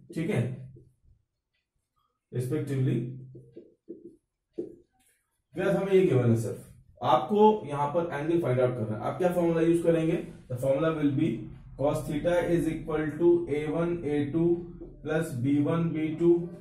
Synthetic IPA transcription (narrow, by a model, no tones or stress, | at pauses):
ʈʰiːkɛ̃ | ɾɪspɛk̚ʈɪʋli | ɡɛsɦɐmẽjiɡeʋãːnɛ̃sɐ̰ɾf | aːpkojɐɦãpɐɾɛ̃ːɳɖlifaɪɖaːʊʈ̚kɐɾːa̰ːɛ̰̃ʔa̰ːp̚kjaːfɔːɾmɪlajuːzkɐɾẽːŋɡeːd̪əfɔːɾmɪlaʋɪlbi | kɔːsʈ̪ʰɾiʈaɪzɪkʋəlʈueːʋɐneːʈuːplɐsbiːʋɐnbiːʈuː